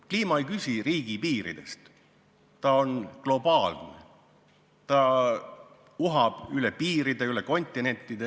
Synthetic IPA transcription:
kliːmɑejkysʲiriːɡ̥ipiːɾḭd̪̥e̞̰st̪ | t̪ɑo̞nɡ̥lo̞b̥ɑːlnḛ | t̪ɑ | uɦɑb̥ylepiːɾid̪e̞yleko̞nʲt̪ːˑine̞nʲt̪ːˑid̪̥e

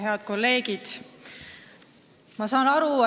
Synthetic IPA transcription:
ɦe̞ɑd̪̥̚ko̞lːe̞ːɡid̪̥ | mɑsɑːnɑɾu

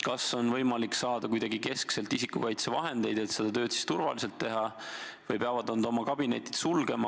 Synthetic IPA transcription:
kɑso̞nvɤjmɑliksɑːd̪̥ɑkujd̪ɑɡike̞skse̞lt̪ːisikːukɑjt̪sevɑ̰ɦe̞nd̪̥e̞jd̪̥e̞t̪se̞d̪̥ɑt̪ø̞ːt̪si̥st̪urvɑ̰lise̞lt̪ːe̞ɦɑvɤjpeɑvɑd̪ond̪o̞mɑkɑbine̞t̪ʲːˑi̥d̪̥sulɡe̞mɑ

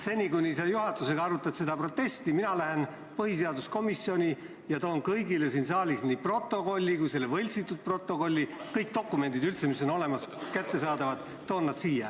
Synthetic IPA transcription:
se̞nʲikunʲisɑjuɦɑt̪ːˑuse̞ɡɑɑɾut̪ːˑɑt̪se̞d̪ɑpro̞t̪ːe̞st̪iminɑlæɦe̞n | pɤhis̬e̞ɑd̪usko̞misːio̞nʲi | jɑt̪o̞ːnkɤjɡile̞siːnsɑːlisniːpro̞t̪ːˑo̞ko̞lʲːikujse̞lːevɤlʲt̪sit̪ːˑud̪̥̚pro̞t̪ːˑo̞ko̞lʲːikɤjk̚t̪o̞kːˑume̞nd̪id̪ylt̪se̞miso̞no̞le̞mɑskæt̪ːe̞sɑːd̪ɑvɑd̪̥ | t̪o̞ːnːɑd̪siːjɑ

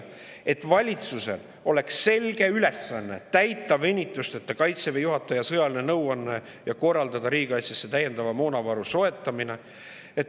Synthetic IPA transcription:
e̞t̪ːˑvɑlʲit̪suse̞̰l | o̞le̞ksːe̞lɡ̥e̞yle̞sːɑnːe̞t̪æjt̪ːˑɑvenʲːit̪ːˑust̪et̪ːɑkɑjt̪sevejuɦɑt̪ːˑɑjɑsɤjɑlinenɤwɑnːe | jɑko̞rːɑld̪̥ɑd̪ɑɾiːɡ̥ɑjsjɑsːe̞t̪æje̞nd̪ɑvɑmo̞ːnɑvɑɾuso̞e̞t̪ːˑɑmine̞ | et̪

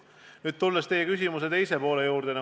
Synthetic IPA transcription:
nyːd̪̚t̪ulːest̪e̞jːekysʲimuse̞t̪e̞jse̞po̞ːlejuːɾd̪enɑ

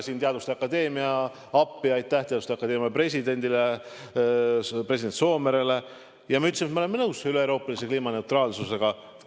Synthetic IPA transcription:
siːnt̪eɑd̪vust̪eɑkːˑɑd̪e̞ːmiɑ | ɑpːˑiɑjt̪ːˑæht̪eɑd̪ust̪eɑkːˑɑd̥̪e̞ːmiɑpre̞s̬ʲid̪e̞nʲd̪ile | pɾe̞s̬ʲid̪ent̪so̞ːmeɾele̞ | jɑmɑyt̪semet̪meoe̞mːenɤwsyleoɾo̞ːpːˑɑlise̞kliːmɑne̞ut̪rɑːlsuse̞ɡ̥ɑ

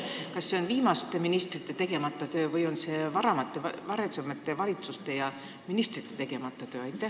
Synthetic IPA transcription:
kɑsːe̞o̞nviːmɑst̪eminist̪rit̪ːˑe̞t̪e̞ɡe̞mɑt̪ːˑot̪ø̞ːvɯjo̞nse̞vɑɾɑmɑt̪ːˑe̞vɑɾesɑmet̪ːˑe̞vɑlʲit̪sust̪e̞jɑ | minist̪rit̪ːˑet̪e̞ɡe̞mɑt̪ːˑot̪øːɑjt̪ːˑeh

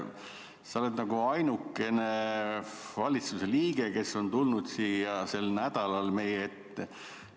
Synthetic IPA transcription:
sɑole̞d̪nɑɡ̥uɑjnukːe̞ne | vɑlʲit̪suse̞liːɡ̥e̞ke̞sːo̞nt̪ulnud̪̥siːjɑse̞lnæd̪̥ɑlɑlme̞jeet̪ːe

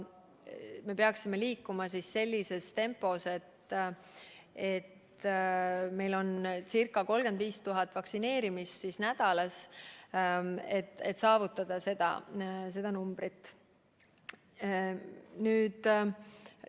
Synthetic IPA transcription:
me̞peɑksime̞liːkːumɑsisːe̞lʲːise̞st̪e̞mpːˑo̞se̞t̪ | e̞t̪ | me̞jlo̞nsirkːˑɑko̞lɡ̥e̞nd̪viːst̪uɦɑt̪ːˑvɑksine̞ːɾimist̪sisnæd̪̥ɑlɑs | e̞t̪ːe̞̰t̪sɑːvut̪ːˑɑd̪̥ɑse̞d̪̥ɑ̰s̬e̞d̪̥ɑnumb̥ɾit̪ːˑ | nyːd̪̥

